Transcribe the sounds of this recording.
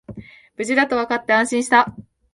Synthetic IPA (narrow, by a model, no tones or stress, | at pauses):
b̥ɯ̟d͡ʑid̪at̪o̞βakat̪ːe̞ãɰ̃ɕĩɕi̥t̪a